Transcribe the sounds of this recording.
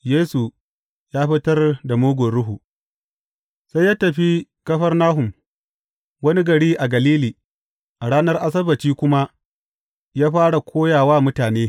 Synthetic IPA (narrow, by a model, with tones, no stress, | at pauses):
jeː˦su˨ | jaː˦ɸɪ˦tɐ˦rda˨moː˦ɡʷʊ˨ɽʊ˦ɦu˨ | sa˦jːa˦tɐ˨ɸi˦kɐ˦ɸɐ˦rnaː˦ɦʊ˨m | wɐ˦ni˦ɡɐ˨ɽiː˦ʔa˨ɡɐ˨liː˦liː˨ | ʔa˨ɽaː˦nɐ˦rʔa˦s̬ɐ˦bɐ˨t͡ʃiː˦kʷʊ˦ma˦ | jaː˦ɸaː˦ɽa˨kʷʰoː˦jaː˨waː˦mʊ˦taː˨neː˦